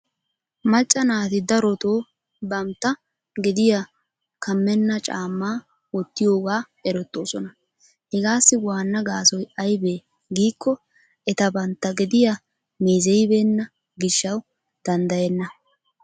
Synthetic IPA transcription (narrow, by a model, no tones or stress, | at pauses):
mɐt͡ʃʼːɐnaːt̪ɪd̪ɐɾɔt̪o̞ː | bɐmt̪ːɐ | ɡɪd̪ɪja | kʰɐmːɛnːɐt͡ʃʼaːmːaː | wɔt̪ːɪjo̞ːɡaː | ɛɾɔt̪ːo̞ːsɔnɐ | hɛɡaːsːɪwaːnːɐɡaːsɔjɐjbeː | ɡiːkːɔ | ɛt̪ɐbɐnt̪ːɐɡɪd̪ɪja | meːzɛjɪbe̞ːnːɐ | ɡɪʃːɐw | d̪̥ɐnd̪ɐjɛnːɐ